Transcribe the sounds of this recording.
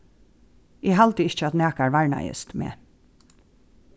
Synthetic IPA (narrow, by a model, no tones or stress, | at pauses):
ɪːɦalt̪əɪçt͡ʃəat̪næːkaɹʋaɹna̰jə̰st̪mḛː